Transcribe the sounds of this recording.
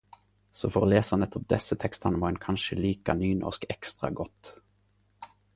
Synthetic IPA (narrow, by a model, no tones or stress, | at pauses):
sɔfɔɾɔleːsanət̪ʰːɔp̚d̪ɛsːət̪ʰɛkst̪ʰanmɑɛnkʰanʂəliːkanyːnʔɔ̰ʂkɛkst̪ɾa̰ɡɔt̪ː